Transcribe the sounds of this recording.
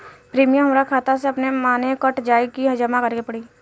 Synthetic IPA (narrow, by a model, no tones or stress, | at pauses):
pɾiːmijə̃ɦɐmɾakʰaːt̪as̬eɐpnemaːnekəʈd͡ʒaːikiɦɐd͡ʒəmakəɾkepɐɽiː